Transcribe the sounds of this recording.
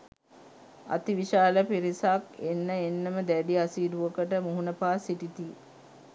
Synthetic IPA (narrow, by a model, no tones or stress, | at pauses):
a̰t̪iʋiʃaːləpiɾisakenːəenːəməd̪æɖiasiːduʋəkəʈəmuɦunəpaːsiʈit̪i